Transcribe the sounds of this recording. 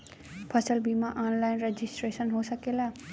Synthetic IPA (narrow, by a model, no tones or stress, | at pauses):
pʰəsəlbʱimãʔaːnlaɪnɾed͡ʒisʈɾeːsənɦosəkelaː